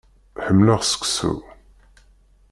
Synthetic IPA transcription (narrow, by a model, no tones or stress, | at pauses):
ħəmːləʁsə̥ksṵ